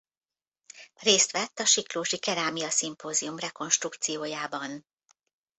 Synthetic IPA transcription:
reːst̪ʋɛt̪ːɒʃikloːʃikɛɾaːmiɒsimpoːziumrɛko̞nʃt̪rukt̪sijoːjaːbɒn

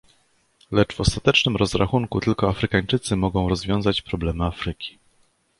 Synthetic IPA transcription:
lɛt͡ʂvɔst̪at̪ɛt͡ʂnɘmɾɔzɾaxuŋkut̪ɘlkɔafɾɘkaɲt͡ʂɘt̪sɘmɔɡɔ̃w̃ɾɔzvʲjɔ̃w̃zat͡ɕpɾɔblɛmɘafɾɘkʲi̥

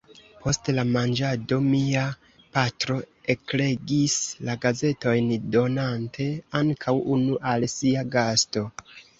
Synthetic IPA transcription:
pʰo̞stlamand͡ʒado̞mia | patɾo̞e̞kle̞ɡislaɡaze̞to̞jndo̞nantʰe̞aŋkʰawunuʔalsiaɡasto̞

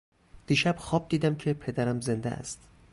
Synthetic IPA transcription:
d̪̥iːʃæb̥xɒːb̚d̪iːd̪æmcʰepʰe̞d̪æɾæmze̞nd̪ḛʔæ̰st̪

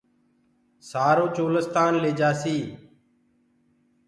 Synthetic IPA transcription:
saːɾoːt͡ʃoːləst̪aːnleːd͡ʒaːsiː

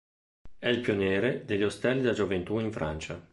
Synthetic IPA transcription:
ɛilpjonɛːɾed̪eʎːost̪ɛlːid̪ad͡ʒovent̪uiɱfɾa̰nt͡ʃa

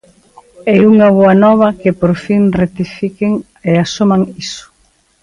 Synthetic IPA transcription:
ɛuŋɐβoɐnɔβɐkɪpoɾfiŋret̪ifikɪŋ | easomãŋisʊ̥

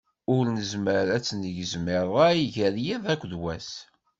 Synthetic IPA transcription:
ʊɾnəzməɾæt͡sːnəʝəzmɪɾˤæiʝæɾjiðˤækʷːðwæs

